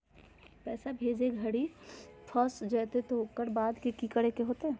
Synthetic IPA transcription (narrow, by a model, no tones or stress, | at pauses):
pɛːsabʱeːd͡ʒeɡʱəɽipʰɔsd͡ʒɛːt̪et̪oɦokəɾbaːd̪kekikəɽekeɦoːt̪eɛ